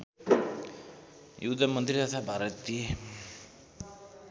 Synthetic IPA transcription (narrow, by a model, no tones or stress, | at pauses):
jud̪ʱamʌnt̪rit̪at̪ʰabʱaɾʌt̪ːie